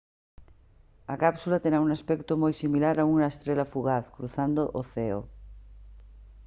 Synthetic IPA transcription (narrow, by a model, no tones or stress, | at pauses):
akapsulat̪eɾauŋaspɛkt̪omojsimilaɾauŋaest̪ɾelafuɣaθkɾuθand̪oʔoθeo̰